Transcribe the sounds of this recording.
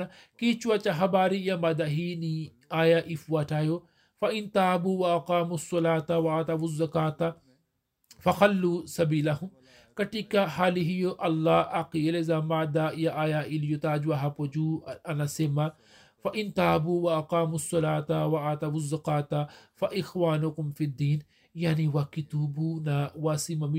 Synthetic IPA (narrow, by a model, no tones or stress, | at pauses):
a | kit͡ʃuwat͡ʃaɦɐbaːɾijamad̪aɦini | aːjaʔifwaʈaːjo | fɐʔint̪aːbuwɐɐqaːmusːɔlaːt̪awɐat̪abuzːɐkaːt̪a | fɐxɐlːuːsɐbiːlɐɦum | kɐʈikahaːliɦijoʔɐlːaaqilezaːmaːd̪aːjaːʔaːjaːʔɪljot̪aːd͡ʒwaɦapod͡ʒuʔanasema | fɐʔɪnt̪aːbuwaːqaːmusˤːɑlaːt̪awaʔat̪abuzːɐkaːt̪afaʔɪxwaːnʊkʊmfid̪ːiːn | jaʕniwakɪt̪ubuːnawasimam